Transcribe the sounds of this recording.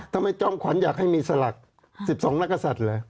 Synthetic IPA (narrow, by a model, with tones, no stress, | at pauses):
t̪ʰa˧mːa˧˩jt͡ɕɔː˧˩˨mkʰwa˩˦njaː˨˩k̚ha˥˩jmiː˧sa˧la˨˩k̚ | si˨˩p̚sɔː˩˦ŋna˦˥kːa˧sa˨˩t̪̚lɤː˧j